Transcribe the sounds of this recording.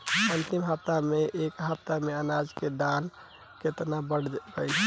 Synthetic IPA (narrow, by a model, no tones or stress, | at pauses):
ənt̪imɦəp̚t̪ameʔekɦəp̚t̪ameənad͡ʒked̪an | ket̪nabəɽbəjʰ